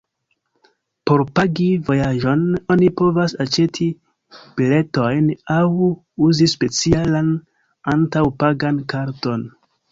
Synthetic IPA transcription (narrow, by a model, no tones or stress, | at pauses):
po̞ɾpaɡivo̞jaʒo̞no̞nipo̞vasat͡ʃe̞tʰi | b̥ile̞to̞jnaw | uzispe̞t͡sialan | antawpaɡankaɾto̞n